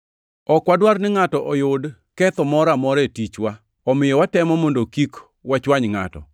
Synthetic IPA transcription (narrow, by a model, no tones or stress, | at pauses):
ɔkwadwarnɪŋatɔʔɔjʊd | kɛt̪ɔmɔɾamɔɾɛtit͡ʃwa | ɔmɪjɔwatɛmɔmɔndokik | wat͡ʃwaɲŋa̰tɔ̰